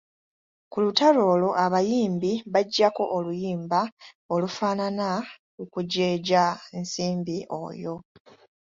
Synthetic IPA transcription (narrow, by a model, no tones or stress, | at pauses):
kulutalo̞ːlo̞ʔaβajiːmbiβaɟːako̞ʔolujiːmba | olufaːnana | ukuɟeːɟaensiːmbiʔo̞̰jo̞